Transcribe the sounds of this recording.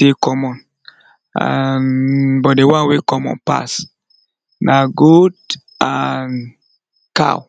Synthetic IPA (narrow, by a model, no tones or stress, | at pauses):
tekɔmɔ̃n | a̰nbɔt̚dewãnwekɔmɔ̰̃npa̰s | naɡod | an | ka̰w